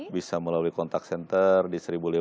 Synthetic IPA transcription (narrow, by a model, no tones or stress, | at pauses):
bisaməlaluikɔnt̪ak̚sɛnt̪ərdisəɾibuli